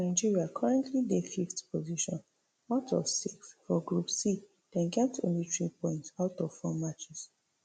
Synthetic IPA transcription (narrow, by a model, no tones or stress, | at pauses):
naɪd͡ʒiɹiakʰɔɹɛ̃ntʰlidefiftpʰoziʃɔ̃n | wɔtʰɔvsiksfɔɡɹupsi | d̥ɛ̃nɡɛp̚tõ̰nlitɹipɔ̃ɪ̃ntsaʊtɔv̥fɔmat͡ʃɛs